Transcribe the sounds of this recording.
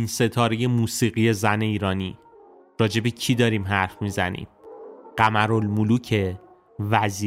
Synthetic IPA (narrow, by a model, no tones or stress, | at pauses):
inse̞t̪ʰɒːɾe̞je̞muːsiːɣije̞zæne̞iːɾɒːniː | ɾɒːd͡ʒe̞becʰid̪ɒːɾiːmɦæɾfmizæ̰nḭːmɢ̥æmæɾolmuluːcʰe | væziː